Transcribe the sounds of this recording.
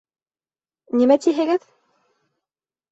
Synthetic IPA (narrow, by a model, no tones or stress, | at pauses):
nimæt̪ʲiɦɘ̆ɡɘð